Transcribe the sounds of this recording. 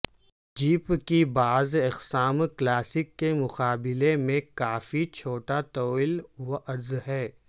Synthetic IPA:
d͡ʒiːpkibaːzɪqsaːmklaːsɪkːemʊqaːbɪlemẽkaːfit͡ʃʰoːʈat̪oːɪlʋoʔɐɾzɦɛː

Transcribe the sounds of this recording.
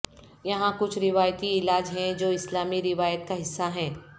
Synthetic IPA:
jɐɦãkʊt͡ʃʰɾɪʋaːjt̪iɪlaːd͡ʒɦɛ̃d͡ʒoːɪslaːmiɾɪʋaːjət̪kaɦɪsːaɦɛ̃ː

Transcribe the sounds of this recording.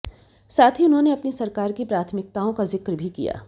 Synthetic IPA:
saːt̪ʰiʊnɦõneɐpnisɐɾkaːɾkipɾaːt̪ʰmɪk̚t̪aːõkazɪkɾbʱikḭja̰ː

